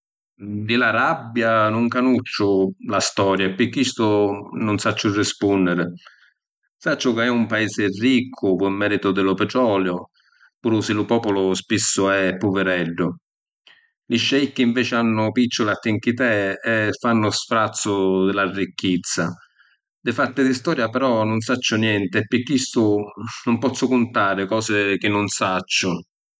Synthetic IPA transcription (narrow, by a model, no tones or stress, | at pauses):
d̪ɪlaɾabːjanʊŋkanut͡ʃːʊlast̪ɔːɾjapːɪkːist̪ʊnʊnsat͡ʃːʊrːɪspunːɪɾɪ | sat͡ʃːʊkaɛumpaeːsɪrːikʰːʊpʊɪmːɛːɾit̪ʊd̪ɪlʊpɪt̪ɾɔːljʊ | puːɾʊsɪlʊpɔːpʊlʊspisːʊɛpːʊvɪɾɛɖːʊ | lɪʃːɛikːiɱvɛːt͡ʃɪanːʊpit͡ʃːʊlat̪ːɪŋk̟it̪ɛɛfːanːʊsfɾat̪sːʊd̪ɪlarːikːit̪sːa | d̪ɪfat̪ɪd̪ɪst̪ɔːɾjapɛɾɔnʊnsat͡ʃːʊnjɛnt̪ɪɛpːɪkːist̪ʊnʊmpɔt̪sːʊkʊnt̪aːɾɪkɔːsɪk̟ɪnːʊnsat͡ʃːʊ